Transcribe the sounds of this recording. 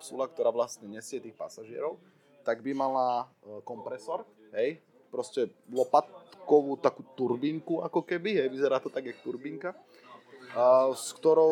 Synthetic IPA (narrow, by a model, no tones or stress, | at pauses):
psulak̚t̪ɔɾaːʋlast̪ɲɛɲɛsɪɛt̪iːxpa̰saʒɪɛ̰ɾɔʊ | t̪aɡbimalakɔmpɾɛsɔɾ | ɦɛj | pɾɔscɛlɔpat̪kɔʋuːt̪akuːt̪uɾbiŋkuakɔkɛbiɦɛjʋizɛɾaːt̪ɔt̪aɡakt̪uɾbiŋka | skt̪ɔɾɔ